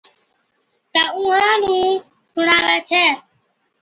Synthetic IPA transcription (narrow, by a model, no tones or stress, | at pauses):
t̪aːũːɦãːnũː | sʰʊɳaːʋeːt͡ʃʰɛː